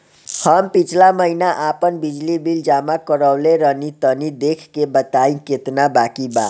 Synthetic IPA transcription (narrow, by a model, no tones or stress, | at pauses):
həmpit͡ʃʰlaməɦinaʔapənbid͡ʒlibild͡ʒamakəɾəwleɾənit̪ənid̪ekʰkebət̪aĩket̪nabakiba